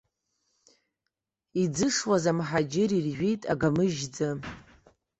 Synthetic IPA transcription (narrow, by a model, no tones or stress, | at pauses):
id͡zɨʂwazamħad͡ʒɪɾirʒʷᶣejtʼa̰ɡamɨʒd͡za